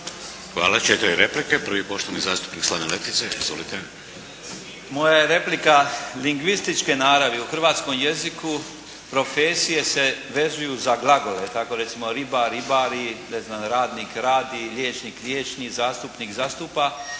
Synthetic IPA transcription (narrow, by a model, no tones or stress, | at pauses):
xʋa̰ːlat͡ʃet̪ɾiɾeplikepɾ̩ʋipoʃt̪oʋnizaːst̪u̥pnikslˠaːʋnelet̪it̪seizʋo̰lit̪e | mo̞jajeɾe̞plikaliŋɡʋist̪it͡ʃke̞naːɾaʋeuxɾr̩ʋaːt̪sko̞mje̞ziku | pɾo̞feːsije̞se̞ʋe̞zujuzaɡlˠaɡole̞t̪ako̞ɾet̪simo̞ɾibaɾibaɾine̞znamɾaːd̪nikɾaːd̪iʎʲjeːt͡ʃniːklʲjeːt͡ʃnizaːst̪upnikzaːst̪upa